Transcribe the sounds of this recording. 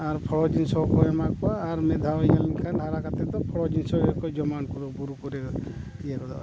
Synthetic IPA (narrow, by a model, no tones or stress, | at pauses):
aɾpʰɔɽɔd͡ʒinsɔkɔɛmakbaːɾmɛd̪ʱawjalinkʰanɦaɾakat̪ɛt̪ɔpʰɔɽɔd͡ʒinsɔekɔd͡ʒɔmankuɾɔbuɾukɔɾɛk | jekɔd̪a̰